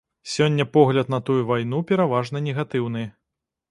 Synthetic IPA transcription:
sʲɔnʲːɐpɔɣlʲɐt̪nɐt̪ujuvajn̪upʲɛɾavaʐnɐnʲɛɣat̪ɨwn̪ɨ

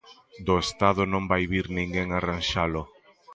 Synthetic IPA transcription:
d̪ʊest̪aðʊnõmbajβiɾnĩŋɡeŋaranʃalʊ

